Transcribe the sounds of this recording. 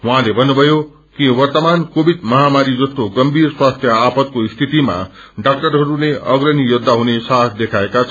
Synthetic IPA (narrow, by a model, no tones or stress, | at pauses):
wʌɦãlebʱʌnːubʱʌjo | kiwʌrt̪ʌmankobʱid̪mʌɦamaɾid͡zʌst̪oɡʌmbʱirswast̪ʰjʌapʌt̪̚koist̪ʰit̪ima̰ | ɖak̚ʈʌɾɦʌɾuleʔʌɡɾʌnijod̪ʱːaɦunesat̪ʰd̪ekʰaekat͡sʰʌ